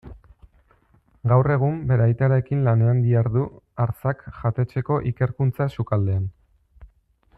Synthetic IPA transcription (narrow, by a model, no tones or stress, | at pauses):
ɡawre̞ɣ̞umbe̞ɾajt̪aɾaekinlane̞and̪iaɾðuaɾt͡sakʝat̪e̞t͡se̞ko̞ʔike̞ɾkunt͡sasukald̪e̞an